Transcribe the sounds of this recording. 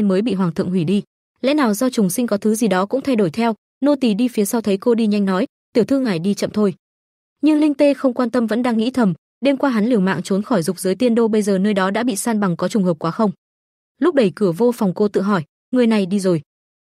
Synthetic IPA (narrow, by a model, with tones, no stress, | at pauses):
nməː˨˦jɓḭ˧˨ɦwaː˨˩ŋt̪ʰɨ̰˧˨əŋhwi˧˩ɗi˧ | lɛ̰˧˥naː˨˩wzɔ˧t͡ɕʊ˨˩ŋ͡msi˧ŋ̟kɔ˨˦t̪ʰɨ˨˦zi˨˩ɗɔ˨˦kʊ̰˧˥ŋ͡mt̪ʰa˧jɗo˧˩jt̪ʰɛ˧w | no˧t̪i˨˩ɗi˧fi˨˦əsa˧wt̪ʰə˨˦jko˧ɗi˧ɲa˧jŋ̟nɔ˨˦j | t̪i˨˩əwt̪ʰɨ˧ŋa˨˩jɗi˧t͡ɕə̰˧˨mt̪ʰo˧j | ɲɨ˧ŋlï˧ŋ̟t̪e˧xə˧wŋ͡mkwaː˧nt̪ə˧mvə̰˧˥nɗaː˧ŋːḭ˧˥t̪ʰə˨˩m | ɗe˧mkwaː˧ɦa˨˦nli˧˩əwma̰ː˧˨ŋt͡ɕo˨˦nxɔ˧˩jzʊ˨˩k͡p̚zəː˨˦jt̪i˧ənɗo˧ɓə˧jzəː˨˩nəː˧jɗɔ˨˦ɗa̰ː˧˥ɓḭ˧˨saː˧nɓa˨˩ŋkɔ˨˦t͡ɕʊ˨˩ŋ͡mɦəː˨˩p̚kwaː˨˦xə˧wŋ͡m | lʊ˦˥k͡p̚ɗə˧˩jkɨ˧˩əvo˧fwŋ͡mko˧t̪ɨ̰˧˨ɦɔ˧˩j | ŋɨ˨˩əjna˨˩jɗi˧zo˨˩j